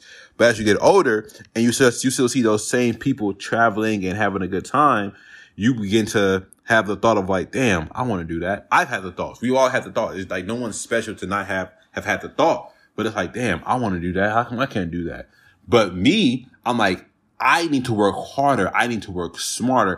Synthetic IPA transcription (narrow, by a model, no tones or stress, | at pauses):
b̥ʌɾɨzjɨɡɛɾo̰ʊlˠɾə˞ɨ̃njɨssjɨstɪlˠsiðoʊz̥sẽɪ̃mpʰipl̩ˠtʰɹ̥ævl̩ˠɪ̃ŋɨ̃nɦævɪ̃ŋɨɡʊd̚tʰãɪ̃m | jɨbɨɡɪ̃ntʰɨ | ɨvðəθɔɾʌvlaɪk̚d̥æ̃ma̰ɪwɑ̃nɨdɨðæt̚ʔaɪv̥ɨd̪̚ðəθɔ̰tswiɔlˠɨd̚ðɨθɔt̚ɨlaɪk̚noʊwʌ̃nz̥spɛʃl̩ˠtʰɨnət̚ɦɨv̥ | ɨv̥ɨd̪̚ðəθɔt̚ | b̥ʌɾɨtslaɪk̚d̥æ̃ma̰ɪwɑ̃nɨdɨðæt̚akʰaɪkʰæ̃nd̥ɨðæ̰t̚ | b̥ʌt̚miʔãɪ̃mlaɪk | ʔaɪnid̚tʰəwɜ˞khɑɹɾə˞ʔa̰ɪnid̚tʰəwɜ˞ksmɑɹɾə˞